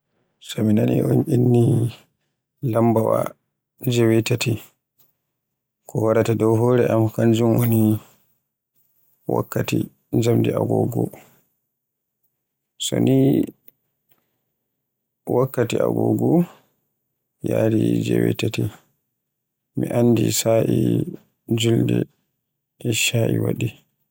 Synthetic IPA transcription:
sɔminanionʔinːi | lambawa | d͡ʒɛwɛtati | kʰɔwaɾatadɔwɦɔɾɛʔamkand͡ʒumwoni | wa̰kːati | d͡ʒamdiaɡɔɡɔ | sɔni | wakːatia̰ɡɔɡɔ | jaːɾid͡ʒɛwɛtati | miʔanːdisaʔi | d͡ʒuldɛ | ɛʃaʔiwaɗi

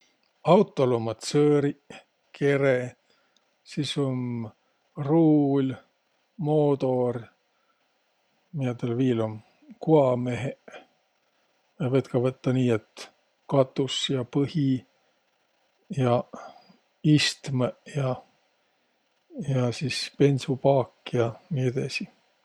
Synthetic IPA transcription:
ɑwt̪ˑːolomɑt̪søːɾi | kʰe̞ɾe | sisom | ruːlʲ | moːd̪o̞r | miet̪elviːlom | kuɑme̞ɦe | jɑvet̪kɑvɤt̪ːɑniːet̪ | kɑt̪ːˑusjɑpɤhi | jɑ | ist̪mjɑ | jɑsispe̞nʲsupɑːkːjɑnied̪̥ɑ̰si

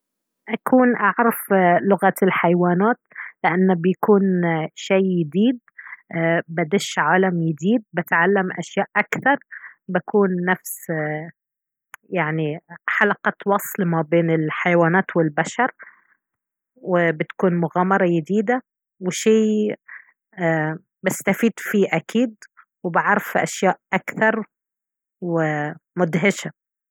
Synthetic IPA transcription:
ʔakuːnʔaʕɾˤɑflʊɣalħajwaːnaːt̪lɪʔanːbjakuːnʃajːɪd̪iːd̪̚ | bad̪ɪʃʕaːlamjɪd̪iːd̪̚bɪt̪ʕalːamʔa̰ʃjaːʔʔakθɑɾˤbakuːnːafs | jaʕniħalɑqɑtwɑsˤlmabeːnɪlħajawaːnaːt̪wɪlbaʃɑɾˤ | wɪbɪt̪kuːnmʊɣaːmɑɾˤɑjɪd̪iːd̪a | wɪʃeː | bɪst̪afiːd̪fiːʔakʰiːd̪ | wɪbɪʕɾˤɑfʔa̰ʃjaːʔʔakθɑɾˤ | wɪmʊd̪ɦɪʃa

